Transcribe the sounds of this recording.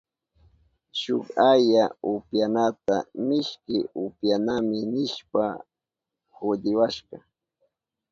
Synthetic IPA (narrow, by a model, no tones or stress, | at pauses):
ʃʊkajaʊpjanat̪amɪʃkɪʊpjanamɪnɪʃpa | hʊd̪ɪwaʃɢɑ